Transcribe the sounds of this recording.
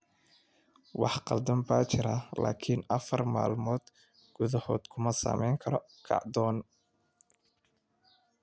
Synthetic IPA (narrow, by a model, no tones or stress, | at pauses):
wɑħqɑld̪ɐmbaːt͡ʃʰɪɾɐla̰ːkʰinɐfɐrma̰ːlmɔːd̪ | ɡ̥ʊðɐhɔːd̪kʰʊmɐsa̰ːmɛjŋkʰɐɾɔ | kʰɑ̰ʕd̪ɔːn